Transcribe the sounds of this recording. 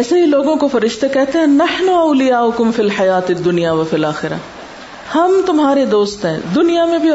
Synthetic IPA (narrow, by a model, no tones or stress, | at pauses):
ɛːseɦiloːɡõkofɐɾɪʃt̪ekɛɦt̪eɦɛ̃nɐħnʊɐːlɪjaːʊkʊmfilħɐjaːt̪ɪd̪ːʊnijaʋɐfɪlaːxɪɾa̰ | hɐmt̪ʊmɦaːɾed̪oːst̪ɦɛ̰̃ːd̪ʊnijamẽbʱi